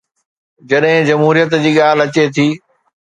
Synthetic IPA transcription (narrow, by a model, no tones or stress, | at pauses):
d͡ʑɐɗɦɪ̃d͡ʑɐmɦuːɾijət̪d͡ʑiːɠaːl̤ɐt͡ɕet̪ʰiː